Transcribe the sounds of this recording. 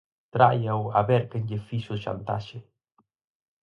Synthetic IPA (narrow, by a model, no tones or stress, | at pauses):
t̪ɾajawaβɛɾkeɲɟefiʃuʃa̰nt̪a̰ʃe